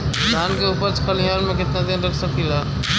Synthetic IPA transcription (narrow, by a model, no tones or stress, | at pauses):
d̪ʱankeupəɾt͡ʃkəlijanmẽkɪt̪nad̪inɾəkʰsəkila